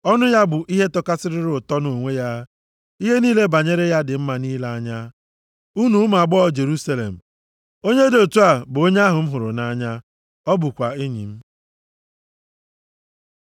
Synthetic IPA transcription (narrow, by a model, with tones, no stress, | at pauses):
ɔ˦nʊ˦ja˦bʊ˨ʔi˦ɦe˦tɔ˦ka˦sɪ˦ɾɪ˦ɾʊ˨tɔ˦no˨ŋʷe˦ja˦ | i˦ɦe˦niː˦le˦ba˨ɲe˦ɾe˦ja˦dɪ˨m̩˦ma˨niː˦la˦ɲa˦ | u˦nu˦ma˨ɡ͡bɔ˦˨d͡ʒe˨ɾu˦sa˦lḛ˨m̩˨ | o˦ɲe˦do˨tu˦a˨bʊ˨o˦ɲ˦a˦ɦʊ˨m̩˦ɦʊ˨ɾʊ̰˨na˦ɲa˦ | ɔ˦bʊ˨kʷa˨i˦ɲḭ˨m̩˦